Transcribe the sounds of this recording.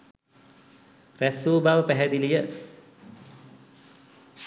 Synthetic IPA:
rɛsubawəpɛɦɛd̪ilijə

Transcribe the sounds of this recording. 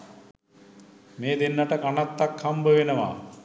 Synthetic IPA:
meːd̪enːaʈəkanat̪ːakʰhambəʋenəʋa̰ː

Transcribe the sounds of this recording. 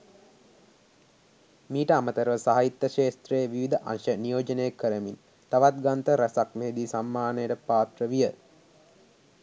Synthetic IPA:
miːʈəamət̪əɾəʋəsaɦait̪ːəʃeːst̪rejəʋiʋid̪ʱəʔa̰nʃənijoːd͡ʒənəjekːəɾəmin | t̪aʋat̪ɡant̪əɾɐsakmeːd̪isamːaːnəjəʈəpaːt̪rəʋijə

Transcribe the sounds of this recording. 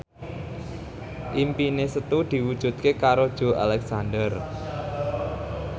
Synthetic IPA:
ʔimpinesət̪ud̪̥i̤wud̥ʒ̥ṳt̪̚kekaɾod̥ʒ̥o̤ʔa̰lɛksandər

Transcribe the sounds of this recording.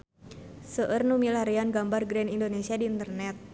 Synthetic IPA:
səʔərnumilaɾianɡambarɡɾɛnindonesiadiːnt̪ərnɛt̪̚

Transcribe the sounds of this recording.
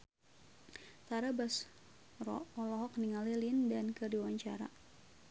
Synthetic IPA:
t̪aɾabas | rɔ̰ɔlɔɦɔk̚niŋalilindankədiwaɲt͡ʃaɾa̰

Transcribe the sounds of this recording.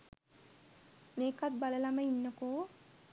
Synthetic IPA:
meːkat̪̚baləlaməinːəkoː

